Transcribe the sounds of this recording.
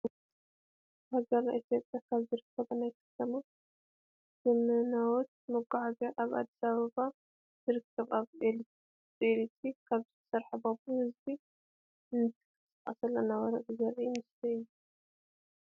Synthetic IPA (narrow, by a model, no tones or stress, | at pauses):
haɡɐɾnaʔit̪ʰjo̞pʼjakʰaβzɨɾɨkʰːɐβɐnajkʰɐ̥t̪ʰɐma | z̥ɨmɨnawɔt̪̚mɨɡaʕɡɐʔaβʔa̰d̪ːi̥saβɐβa | z̥ɨɾɨkʰːɐβaβe | elit̪ʰikʰaβzɨt̪ʰɐ̥sɐɾħɨbabuhɨzbi | ɨnɨt̪ʰɨ̥kʰɨsʼɐχʼɐsɐlːɐnawɐɾɐ̰ʔizɐɾʔimɨst̪ʰiɨjːu